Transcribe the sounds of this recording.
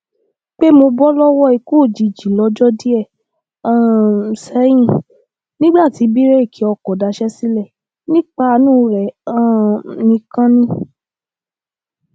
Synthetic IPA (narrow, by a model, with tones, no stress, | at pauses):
k͡pe˦mo˧bɔ˦lɔ˦wɔ˦i˧ko˦˨d͡ʒi˨d͡ʒi˨lɔ˨˧˦d͡ʒɔ˦di˦ɛ˦˨ | ã˦˨sɛ˨˦j̃ĩ˦˨ | nĩ˦ɡ͡ba˦˨ti˨˦bi˦ɾe˦i˦˨kʰi˨˦ɔ˧˨kɔ˨da˨˧˦ʃɛ˦si˦lɛ˦˨ | nĩ˦k͡pa˦˧nũ˦˨ɾɛ˨ã˦˨nĩ˧kã˦nĩ˦